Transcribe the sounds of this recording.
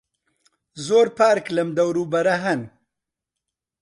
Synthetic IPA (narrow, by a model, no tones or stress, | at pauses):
zoːɾpaːɾklɐmd̪ɐwɾuːbɐɾɐɦɐn